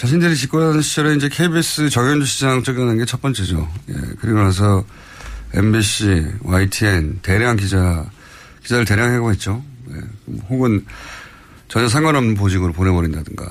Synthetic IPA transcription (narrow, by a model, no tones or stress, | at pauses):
t͡ɕaɕ̬ʰindɯɾit͡ɕik͈ɯɾanɯnɕʰi̥t͡ɕ͈ʌɾɯnind͡ʑe̞kʰe̞ibes͈ɯt͡ɕʌɡjond͡ʑuɕʰid͡ʑaŋt͡ɕ͈ʌɡanɯnɡe̞t͡ɕʰʌt̚p͈ʌnt͡ɕ͈ʰed͡ʑo̰jḛkɯɾiɡonas̬ʰʌ | e̞̰mbiɕ͈ʰiwaitʰiente̞ɾjaŋkid͡ʑa | kid͡ʑaɾɯɭte̞ɾjaŋɦe̞ɡoɦe̞t̚t͡ɕ͈one̞̰ohoɡɯn | t͡ɕʌɲʌs̬ʰaŋɡwaɾʌmp̬od͡ʑiɡɯɾopone̞bʌɾindadɯŋɡa̰